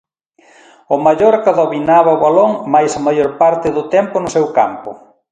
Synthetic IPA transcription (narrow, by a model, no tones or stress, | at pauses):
ʊmaʎoɾkaðoβinaβɐʊβaloŋmajsamajoɾpaɾt̪ɪðʊt̪ɛmpʊnʊsewka̰mpʊ